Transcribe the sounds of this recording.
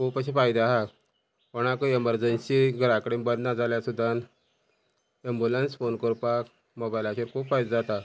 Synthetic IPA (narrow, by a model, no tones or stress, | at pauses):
kupaɕifajd̪aɦa | poɽ̃akəeməɾd͡ʑənsiɡəɾakəɽebəd̪nad͡zaljasud̪ʱan | embulansfonkəɾpak | mobajlaɕeɾkuːpfajd̪ad͡zat̪a